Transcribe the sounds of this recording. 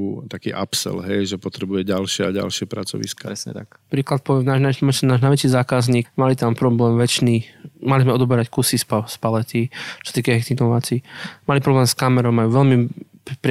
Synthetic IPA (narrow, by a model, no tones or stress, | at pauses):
t̪akiːʔapsɛ̰lɦɛjʒɛpɔt̪ɾɛbujɛɟalʃɪɛaɟa̰lʃɪɛpɾa̰t͡sɔ̰ʋḭskaa | pɾiːklat̪̚pɔʋɛmnaːʒnaɔmat͡ʃɛnaːʒnajʋɛt͡ʃizaːkazɲiːkmalit̪ampɾɔblɛːmʋɛt͡ʃnimalizmɛɔd̪ɔbɛɾackusispaspalɛt̪it͡ʃɔ̥sat̪iːkaɦɛkt̪inɔʋat͡simalipɾɔblɛːmskamɛɾɔmajuʋɛlmipɾ